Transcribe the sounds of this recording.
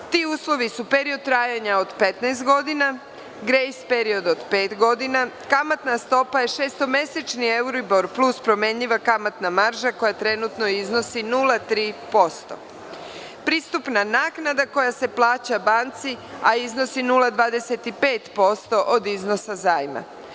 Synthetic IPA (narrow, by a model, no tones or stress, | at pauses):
t̪iːuːslˠo̞ʋisupeɾiod̪̚t̪ːɾaːjaɲaod̪pe̞t̪najst̪ɡo̞d̪ina | ɡɾejspeɾio̞d̪od̪pe̞ːt̪ɡo̞d̪ina | kamat̪nast̪o̞paje̞ʃe̞ːst̪ome̞set͡ʃnie̞uɾiboɾplˠuspɾo̞me̞ɲʎiʋakamat̪namaɾʒako̞jat̪ɾe̞nut̪no̞izno̞sinulˠat̪ɾiːpo̞st̪o̞̰ | pɾiːst̪upnanaːknad̪ako̞jase̞plˠaːt͡ɕabaːnt̪siaizno̞sinulad̪ʋaːd̪e̞se̞t̪ipe̞ːt̪po̞st̪o̞ʔod̪izno̞sazaːjma̰